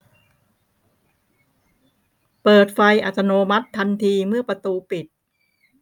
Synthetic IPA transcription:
pɤː˨˩t̪̚fa˧jʔa˨˩t̪ːa˧noː˧ma˦˥t̪ʰːa˧nt̪ʰiː˧mɯ˥˩ɐpɾa˧t̪uː˧pi˨˩t̪̚

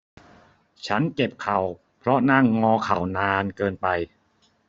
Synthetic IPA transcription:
t͡ɕʰa˦˥nke˨˩p̚kʰa˨˩w | pʰɾɔ˦˥na˥˩ŋːɔː˧kʰa˨˩wnaː˧nkɤː˧npa˧j

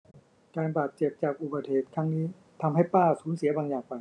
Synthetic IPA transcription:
kaː˧nbaː˨˩t̪̚t͡ɕe˨˩p̚t͡ɕaː˨˩k̚ʔuː˨˩ba˨˩t̪̚heː˨˩t̪̚kʰa˦˥ŋniː˦˥ | t̪ʰa˧mɦa˥˩jpaː˥˩suː˩˦nsi˩˦ɐbaː˧ŋjaː˨˩ŋpa˧˩

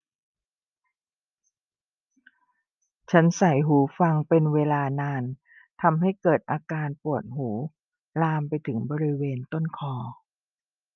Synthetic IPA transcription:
t͡ɕʰa˦˥nsa˨˩˦jɦuː˩˦fa˧ŋpe˧nweː˧laː˧naː˧n | t̪ʰa˧mɦa˥˩jkɤː˨˩t̪̚ʔaː˧kaː˧npu˨˩ət̪̚ɦuː˩˦ | laː˧mpa˧jt̪ʰɯ˩˦ŋbɔː˧ɾi˦˥weː˧nt̪o˥˩nkʰɔː˧

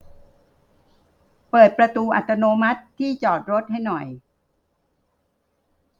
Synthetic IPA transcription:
pɤː˨˩t̪̚pɾa˧t̪uː˧ʔa̰˨˩t̪ʰːa˧noː˧ma˦˥t̪ʰːiː˥˩t͡ɕɔː˨˩t̪̚ɾo˦˥t̪̚ha˥˩jnɔ˨˩j

